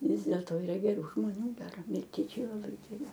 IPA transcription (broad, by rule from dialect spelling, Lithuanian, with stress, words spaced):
ˈʋʲɪs dʲeːlˠtoː iːˈrɐ ɡʲɛˈruː ʒmoːˈnʲuː ˈɡʲæːrɐ mʲɪlʲˈtʲiɛt͡ʃʲɛɪ lˠɐˈbɐɪ ɡʲɛˈrʲɪ